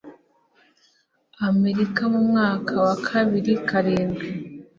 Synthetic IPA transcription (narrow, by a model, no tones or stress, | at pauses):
ame̞ɾikamumŋaːkʰawakʰaβiɾikaɾeːŋɡa